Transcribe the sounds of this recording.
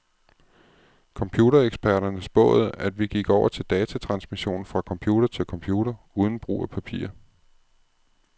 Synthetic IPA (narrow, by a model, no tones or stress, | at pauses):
kʰɒ̽mpʰjuːɾɐeɡ̥sb̥æɐɾ̥ɐnəsb̥ɔ̰̽ːð̩ˠæd̥ʋiɡ̥iɡ̥ɒʊ̰ɐt͡sʰe̝ld̥ɛːt͡sʰæt͡sʰʁɑ̈nsmiɕo̝̰ːn̩fʁɑ̈kʰɒ̽mpʰjuːd̥ɐt͡sʰe̝lkʰɒ̽mpʰjuːɾ̥ɐ | uːð̞ˠn̩b̥ʁṵːæpʰæpʰḭːɐ